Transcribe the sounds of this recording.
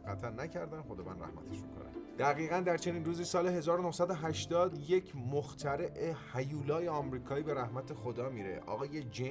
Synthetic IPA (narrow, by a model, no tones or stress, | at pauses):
ɡæt̪ʰænnæcʰæɾd̪ænxo̞d̪ɒːvæ̰nɾæ̰hmæ̰t̪ʰeʃmḭkʰo̰næ̰md̪̥æɣiːɣænd̪æɾt͡ʃʰe̞niːnruːziːsɒːleɦe̞zɒːɾonohsæd̪oɦæʃt̪ɒːd̪je̞cʰmoxt̪ʰæɾe̞ʔehæjuːlɒːjeɒmɾiːkʰɒːiːbe̞ɾæhmæt̪ʰe̞xod̪ɒːmiːɾe̞̰ʔɒ̰ːɣɒːje̞d͡ʒe